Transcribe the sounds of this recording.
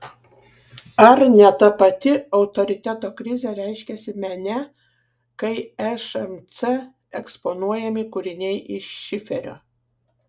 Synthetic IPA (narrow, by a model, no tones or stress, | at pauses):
ɐɾnʲɛt̪ɐpɐt̪ʲɪɒʊt̪ɔɾʲɪt̪ʲæt̪oːkɾʲɪzʲɛɾʲɛɪʃʲkʲɛsʲɪmʲɛnʲɛ | kɐɪɛʃɛmt̪sɛ | ɛkspɔnuɔjɛmʲɪkʊɾʲɪnʲɛɪʔɪʃʃʲɪfʲɛɾʲo̰ː